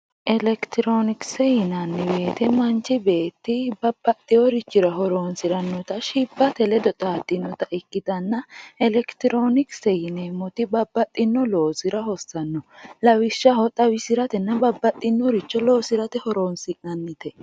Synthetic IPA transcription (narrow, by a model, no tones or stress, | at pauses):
ʔɛlɛkt̪ɪɾoːnɪksɛjɪnɐnːɛbe̞ːt̪ɛmɐnt͡ʃːɪbe̞ːt̪ːɪbɐbːɐt̪ʼːɪjɔɾɪt͡ʃːɪɾɐɦɔɾoːnsɪɾɐnːɔt̪ɐʃɪbːɐt̪ɛlɛd̪ɔt̪ʼaːt̪ʼːɪnːɔt̪ɐʔɪkːɪt̪ɐnːɐɛlɛkt̪ɪɾoːnɪksɛjɪnemɔt̪ɪbɐbːɐt̪ʼːɪnːɔlo̞ːsɪɾɐɦɔsːɐnːɔlɐwɪʃːɐhɔt̪ʼɐwɪsɪɾɐt̪ɛnːɐbɐbːɐt̪ʼːɪnːɔɾɪt͡ʃːɔlo̞ːsɪɾɐt̪ɛhɔɾoːnsɪknɐnːɪt̪ɛ